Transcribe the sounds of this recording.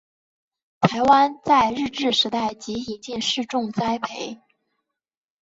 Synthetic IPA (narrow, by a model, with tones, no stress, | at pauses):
t̪ʰa˧˥ɪwa˥nt͡sa˥˧ɪɻɻ̩˥˧ʈ͡ʂɻ̩˥˩ʂɻ̩˧˥t̪a˥˩ɪt͡ɕi˧˥i˨˩t͡ɕi˥˧nʂɻ̩˥˧ʈ͡ʂʊ˥˧ŋt͡sa˥ɪpʰe˧˥ɪ